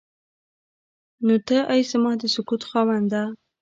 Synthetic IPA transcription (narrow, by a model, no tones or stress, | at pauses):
not̪əʔajsəmɑhd̪əsʊkut̪xɑwand̪a